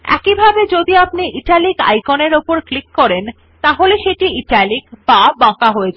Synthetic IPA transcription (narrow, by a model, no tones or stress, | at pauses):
ɛ̰kibʱabed͡ʑod̪iapniʔiʈalika̰jkoneɾopoɾklikːɔɾen | t̪aɦoleʃeʈiiʈalikbabɔ̃kaɦoed͡ʑʰa